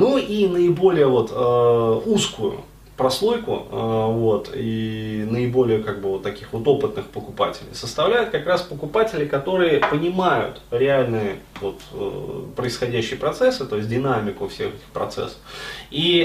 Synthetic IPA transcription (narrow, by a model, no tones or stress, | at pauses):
nuinəɪbo̞lʲɪjəvo̞t̪ʰəuskʊjʊ̰ | pɾɐslˠo̞jkʊ̰vo̞t̪ḭnəɪbo̞lʲɪjəkaɡ̚bɨvo̞t̪ːɐkʲixvo̞t̪o̞pɨt̪̚nɨxpəkʊpa̰tʲɪlʲɪ̰jsəst̪ɐvlʲæjʊt̪̚kɐkɾaspəkʊpatʲɪlʲɪkɐt̪o̞ɾɨjəpənʲɪmajʊ̰t̪ɾʲɪalʲnɨjəvo̞t̪pɾəɪsxɐdʲæɕːɪjəpɾɐt̪sɛsːɨt̪o̞ɪs̬ʲt̚ʲdʲɪnamʲɪkʊfsʲe̞̰xɛtʲɪ̥xpɾɐ̰t̪sɛ̰sːə̥fi